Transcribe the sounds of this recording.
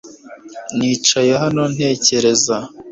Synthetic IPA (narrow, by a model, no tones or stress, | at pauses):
niːt͡ʃajeɦano̞n̥he̞ːce̞ɾe̞za